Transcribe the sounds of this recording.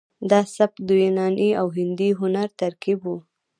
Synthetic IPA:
d̪ɑsap̚d̪ujenɑnʔiawɦɪnd̪iɦʊnaɾt̪aɾkibwu

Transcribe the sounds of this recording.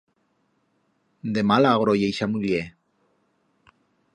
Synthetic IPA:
nd̪emalaɣɾojejʃamulie

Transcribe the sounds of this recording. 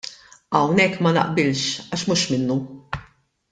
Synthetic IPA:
ɐwnɛkːmɐnɐ̰ʔbɪlʃɐʃmuʃmɪnːu

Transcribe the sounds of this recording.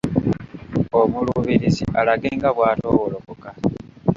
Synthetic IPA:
omuluβiɾizḭʔalaɡe̞ːŋɡaβwaːtoːwolokoka

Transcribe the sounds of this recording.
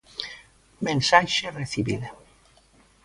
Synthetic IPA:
mẽnsaʃereθiβḭða

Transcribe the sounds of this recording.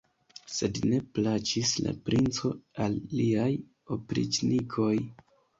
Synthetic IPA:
se̞dne̞plat͡ʃisla̰pɾint͡so̞alːiaj | opɾḭd͡ʒnikʰo̞j

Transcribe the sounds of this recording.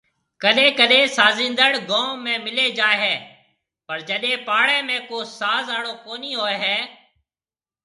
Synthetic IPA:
kəɗẽːkəɗeːsaːzĩːnd̪əɽɡõːmẽːmɪleːd͡ʒaːeɦɛː | pəɾd͡ʒəɗẽːpaːɽẽːmẽːkoːsaːzaːɽoːkoːniːɦoːeɦɛː

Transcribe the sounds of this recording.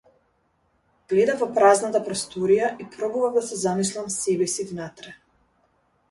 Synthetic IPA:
ɡ̥lɛd̪avvɔpɾaznat̪apɾɔst̪ɔɾijaʔipɾɔbuvavd̪asɛzamislˠamsɛbɛsivnat̪ɾɛ

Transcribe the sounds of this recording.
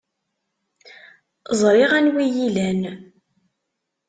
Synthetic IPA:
zˤɾɪʁænwijilæn

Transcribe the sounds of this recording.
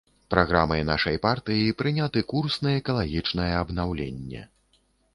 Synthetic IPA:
pɾaɣɾa̰mɐnaʂɐjpart̪ɨjipɾɨnʲat̪ɨkursnɐjɛkɐlˠaɣʲit͡ʂnɐjɛɐbnawlʲḛnʲːɛ̰

